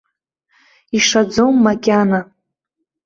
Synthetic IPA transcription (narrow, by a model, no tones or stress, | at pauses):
iʂad͡zomːakʲʼana